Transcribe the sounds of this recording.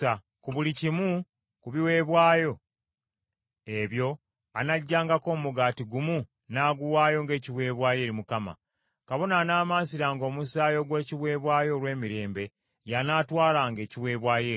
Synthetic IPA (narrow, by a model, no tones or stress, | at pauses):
a | kuβulicimu | kuβiwe̞ːβwaːjo̞ | e̞βjo̞ | anaɟːaːŋɡako̞ːmuɡaːtiɡumu | naːɡuwaːjo̞ŋɡe̞ːciβwe̞ːβwaːje̞ːɾimukama̰ | kaβo̞naːnaːmaːsiɾaːŋɡo̞ːmusaːjo̞ɡwe̞ːciβwe̞ːβwaːjo̞ːlwe̞ːmiɾe̞ːmbe̞ | janaːtwaːlaːŋɡe̞ːciwe̞ːβwaːjeːi